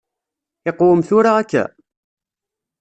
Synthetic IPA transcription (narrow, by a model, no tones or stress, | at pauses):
ɪqʊwəmθʊɾaːkːæ̰